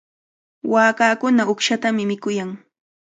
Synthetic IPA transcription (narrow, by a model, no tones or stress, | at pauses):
waːkaːkʊnaʊkʃat̪amɪmɪkʊjaŋ